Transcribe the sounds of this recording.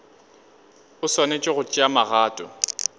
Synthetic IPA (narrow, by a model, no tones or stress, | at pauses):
ʊswanet͡ʃʼɔɣʊt͡ʃʼɪamaɣaːtʼɔ